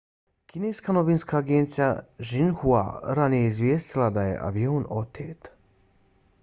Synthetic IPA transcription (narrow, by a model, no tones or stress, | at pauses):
kineːskanobiːnskaːɡeːnt̪sijaʒinhua̰ɾanijeizʋʲjeːst̪ilˠad̪ajḛʔa̰ʋioːno̞t̪ʰeːt̪